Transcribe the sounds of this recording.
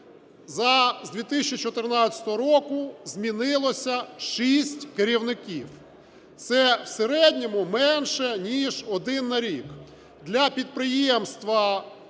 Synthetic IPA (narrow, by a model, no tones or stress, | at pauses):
zɐzʲd̪ʲʋʲit̪ɪsʲt͡ʃit͡ʃɔt̪ɪrnɑɐ̥t̪ɔɦɔɾɔkʊzʲmʲinɪlˠɔsʲɐʃisʲtʲkeɾʲiwnɪkʲiw | t̪sɛwseɾɛdʲnʲɔmʊmɛnʃɛnʲiʒɔd̪ɪnːɐɾʲik | d̪lʲɐpʲid̪̚pɾɪjɛmst̪ʋɐ